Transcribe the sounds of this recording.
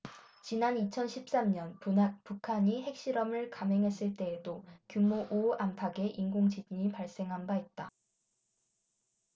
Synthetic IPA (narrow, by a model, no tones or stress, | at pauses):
t͡ɕinanit͡ɕʰʌnɕʰip̚s͈amɲʌnpupukʰaɲiɦe̞k̚ɕ͈iɾʌmɯɭkamɦe̞ŋɦe̞s͈ɯɭt͈e̞ːdokjumoʔoampʰaɡe̞ʔinɡoŋd͡ʑid͡ʑiɲipaɭs͈e̞ŋɦanbait̚t͈a